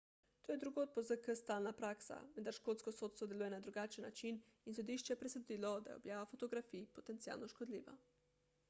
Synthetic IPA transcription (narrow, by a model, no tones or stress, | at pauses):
t̪oːjɛd̪ɾuɡoːt̪̚pɔzəkəst̪aːlnapɾaːksa̰ʋənd̪aɾʃkoːlt̪skɔsoːt̪st̪ɔd̪ɛluːjɛnad̪ɾuɡaːt͡ʃənːat͡ʃin | insɔd̪iʃt͡ʃɛɛpɾɛsɛd̪iːlɔd̪a̰jo̰bjaːʋafot̪ɔɡɾafipɔt̪ɛnt̪sija̰ːlnɔʃkɔd̪lḭːʋa̰